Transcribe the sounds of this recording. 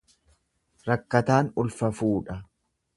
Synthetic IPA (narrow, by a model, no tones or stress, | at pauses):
ɾɐkːɐt̪aːnʊlfɐfuːᶑɐ